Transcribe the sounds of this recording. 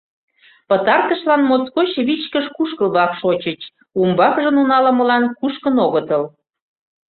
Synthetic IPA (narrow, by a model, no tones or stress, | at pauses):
pət̪ɑrt̪əʃlɑnmot͡skot͡ɕβit͡ɕkəʃkuʃkəlβlɑkʃot͡ɕət͡ɕ | umbɑkʒənunɑlə̆məlɑnkuʃkənoɣət̪əl